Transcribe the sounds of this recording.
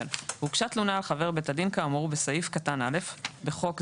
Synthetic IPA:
lhukʃatlunaːlχave̞ʁbetadinkamuʁubesajifkatanale̞fbe̞χo̞k

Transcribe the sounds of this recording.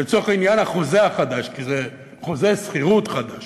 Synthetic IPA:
et͡soeχainjanhaχo̞zeaχad̪aʃkize | χo̞zesχiʁut̪χad̪aʃ

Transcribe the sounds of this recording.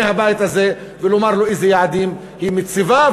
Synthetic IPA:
ehabajɪt̪haze | vɪlomaɾloʔezejaʕd̪iːm | himɪt͡siva

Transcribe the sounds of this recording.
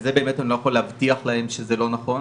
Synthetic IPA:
zebe̞ːmetanilojaχo̞lehavtiaχlaɦe̞mʃezelo̞naχo̞

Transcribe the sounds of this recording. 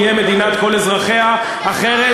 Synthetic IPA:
jeme̞d̪inat̪ko̞lezʁaχeha | aχeʁe

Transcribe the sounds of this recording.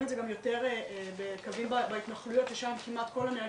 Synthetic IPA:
etdzeɡamjo̞te̞ʁebekavimbabait̪naχlujo̞t̪leʃamkimʔat̪ko̞lamea

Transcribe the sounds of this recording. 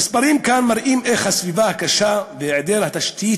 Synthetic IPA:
mispaɾimkanmaɾʔimʔeχhasvivahakaʃaveeʕd̪elhat̪aʃt̪ʰi

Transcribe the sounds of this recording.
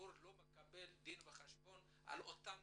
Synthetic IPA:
uɾlo̞mekabe̞ld̪inveχaʃbo̞n | ʔa̰lot̪am

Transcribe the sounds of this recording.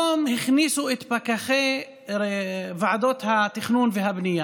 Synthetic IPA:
omhiχnisuet̪pakaχe | vaʕad̪ot̪hat̪iχnunveɦabnija

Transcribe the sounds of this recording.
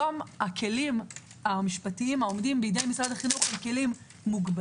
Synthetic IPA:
omakʰe̞lim | amiʃpatiimao̞mdimbeidejmisʁadaχinuχelke̞limː | uɡb

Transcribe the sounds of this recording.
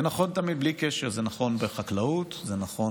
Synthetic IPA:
enaχo̞nt̪amid̪̚blikeʃeʁzenaχo̞nbeχaklaut̪zenaχo̞

